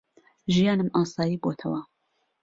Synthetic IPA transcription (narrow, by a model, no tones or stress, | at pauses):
ʒijɑːnɨmʔɑːsɑːjiːboːt̪ʰɐwɐ